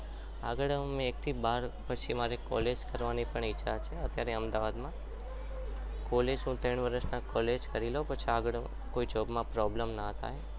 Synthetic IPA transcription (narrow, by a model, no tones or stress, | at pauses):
a̰ɡəɭəmẽːk̚t̪ʰibaɾpət͡ʃʰimaɾekɔ̰led͡ʒkəɾʋanipəɳiːat͡ʃʰeət̪jaɾeəmd̪aʋad̪mã | kɔled͡ʒɦũt̪əɳ̃ʋəɾəʃnakɔled͡ʒkəɾilopət͡ʃʰiaɡəɭ | koid͡ʒobmãpɾɔbləmnat̪ʰa̰j